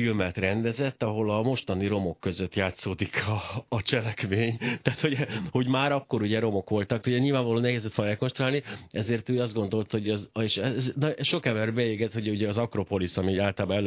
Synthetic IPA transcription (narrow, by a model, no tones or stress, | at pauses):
ilmɛt̪rɛnd̪ɛzɛt̪ːɒɦo̞lɒmo̞ʃt̪ɒniɾo̞mo̞kːø̞zøt̪jaːt̪soːd̪ikʰɒːt͡ʃɛlɛkveːɲt̪aːt̪ho̞ɟho̞ɟmaːɾɒkːo̞ɾuɟɛɾo̞mo̞kʋo̞lt̪ɒkuɟɛɲilvaːɱvɒloːnɛɦeːzɛt̪fonɛko̞nʃt̪roaːlniʔɛzeːrt̪øːjɒzd̪ɡo̞nd̪o̞lt̪ho̞ɟɒzeʃɛznɒɛʃo̞kɛmbɛrbɛeːɡɛt̪ho̞ɟuɟɛɒzɒkro̞po̞lisɒmiaːlt̪lːalbaɛl